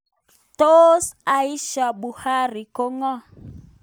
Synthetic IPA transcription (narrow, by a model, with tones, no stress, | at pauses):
t̪o˦sa˦i˦ʃa˨bu˨ha˦ɾi˨ko˦ŋɔ˦